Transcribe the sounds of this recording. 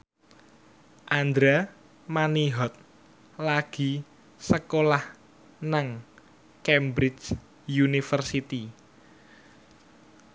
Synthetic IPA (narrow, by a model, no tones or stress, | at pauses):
ʔand̪ɾa | maniɦɔt̪̚ | laɡ̥i̤ | səkolah | naŋ | kɛmbɾɪt͡ʃ | junifərsit̪i